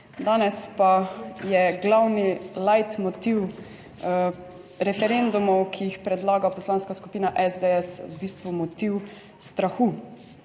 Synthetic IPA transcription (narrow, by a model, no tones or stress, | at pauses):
d̪aːnɛspajɛɡlawnilajt̪mɔt̪iw | ɾɛfɛɾend̪umɔwkʰijixpɾɛd̪laːɡapɔslaːnskasku̥piːnaʔɛzd̪eɛswbiːst̪ʋumɔt̪iw | st̪ɾaxu